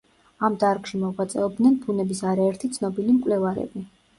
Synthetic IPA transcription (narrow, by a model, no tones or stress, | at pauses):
amd̪aɾkʃimɔʁat̪sʼɛɔb̚d̪nɛnpʰunɛbisaɾaɛɾt̪ʰit̪sʰnɔbilimkʼlɛvaɾɛ̰bi